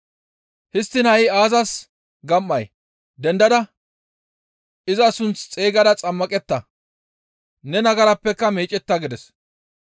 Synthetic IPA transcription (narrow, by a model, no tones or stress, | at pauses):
hɪst̪ːɪnhɐɪaːzɐs | ɡɐmːɐj | d̪ɛnd̪ɐd̪ɐ | ɪzɐsʊnt͡st͡sʼeːɡɐd̪ɐt͡sʼɐmːɐkʼɛt̪ːɐ | nɛnɐɡɐɾɐpːɛkːɐmeːt͡ʃʼːɛt̪ːɐɡɪd̪ɛs